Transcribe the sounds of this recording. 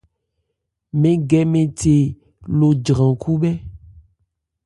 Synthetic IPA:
mẽ˨˦ɡɛ˨mẽ˨te˨ | lo˨d͡ʒɾã˨ku˦bɛ˦

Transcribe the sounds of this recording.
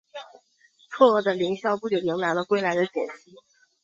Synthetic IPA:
t͡sʰwɔ˥˧ɤ˥˩d̪ə˩li˧˥ŋɕjɑ˥˧ʊpu˥˩t͡ɕjo˨˩ji˧˥ŋla˧˥ɪlə˧kwe˥ɪla˧˥ɪd̪ə˧t͡ɕjɛ̰˨˩nɕi˥

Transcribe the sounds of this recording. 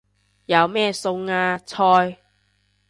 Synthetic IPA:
jɐ˨˧wmɛː˥˩sʊ˧ŋaː˧t͡sʰɔː˧j

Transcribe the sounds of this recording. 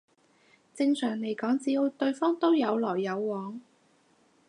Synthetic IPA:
t͡sɪ˧ŋsœː˨˩ŋle˨˩jkɔː˨˥ŋt͡siː˧o˨˧wt̪ɵ˧ɥfɔː˥ŋt̪o˥wjɐ˨˧wlɔː˨˩jːɐ˨˧wːɔː˨˥ŋ

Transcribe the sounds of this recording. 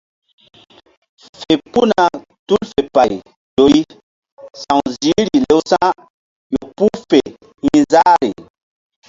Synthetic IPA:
fe˨pu˦na˨ | tu˦lfe˨pa˨i˨ | jo˨i˦ | sã˨ŋzi˨˦ɾi˨le˨˦wsã˦ | jo˨pu˦fe˨ | hĩ˦zaː˦ɾi˨

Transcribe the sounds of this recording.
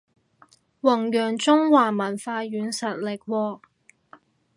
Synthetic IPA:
wɐ˨˩ŋjœː˨˩ŋt͡sʊ˥ŋwaː˨˩mɐ˨˩nfaː˧jyː˨˧nsɐ˨t̚lɪ˨˩k̚wɔː˧

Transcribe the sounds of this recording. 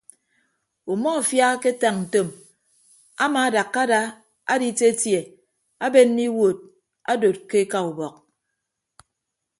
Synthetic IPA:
u˨mɔ˦a˨fja˦ke˦ta˨ŋn̩˨to˨m | a̰˦ma˨˦da˨kːa˦da˦ | a̰˦di˦te˦tje˨ | a˦be˦nː˦i˦wo˨t̚ | a̰˦do˨t̚ke˦ka˨u˨bɔ˨k̚

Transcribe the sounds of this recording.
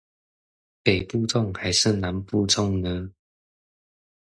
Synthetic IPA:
pe˨˩ɪpu˥˧ʈ͡ʂʊ˥˨ŋxa˨˧˥ɪʂɻ̩˥˨na˨˦npu˥˧t͡sʰʊ˥˧ŋnə˧˦

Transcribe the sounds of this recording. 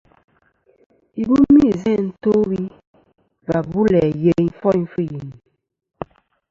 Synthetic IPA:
i˨bu˦mi˦˨zɛ̃˦˨n̩˦˨to˦wi˦ | va˨bu˦lɛ˨je˦ŋ˦fɔ˦n˦fɨ˦˨ji˨ni˨

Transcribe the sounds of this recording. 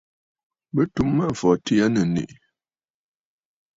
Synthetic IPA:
bə˦tu˦mːa˦ɱ̩˨fɔ˨ti˦a˦nə˨nḛ˨ʔ

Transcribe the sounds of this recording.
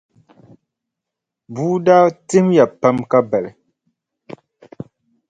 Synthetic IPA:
buː˦daː˦tɪ˦mja˨pa˦mka˦bɛ˨lɪ˨

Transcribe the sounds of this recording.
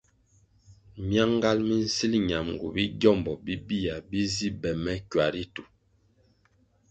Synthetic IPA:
mja˦ŋ˦ɡa˦lmi˦n̩˦si˦lɲa˨mŋ˨ɡṵ˨bi˦ɟjɔ˦˨mbɔ˨bi˦bi˦a˨bi˦zi˦bɛ˨mɛ˦kwa˨ɾi˦tu˨

